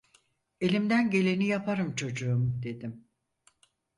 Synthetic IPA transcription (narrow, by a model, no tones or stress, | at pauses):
e̞lʲimd̪ænɟe̞lʲe̞nijapʰaɾɯmt͡ʃʰo̞d͡ʒuumd̪e̞d̪im